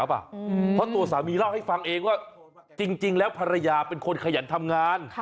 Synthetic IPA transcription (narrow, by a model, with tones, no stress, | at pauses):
a˦˥p̚a̰˨˩pʰɔ˦˥t̪u˧ɐsaː˩˦miː˧la˥˩wha˥˩jfa˧ŋʔeː˧ŋwaː˥˩ | t͡ɕi˧ŋt͡ɕi˧ŋlɛː˦˥wpʰa˧ɾa˧jaː˧pe˧nkʰo˧nkʰa˧ja̰˩˦nt̪ʰa˧mŋaː˧n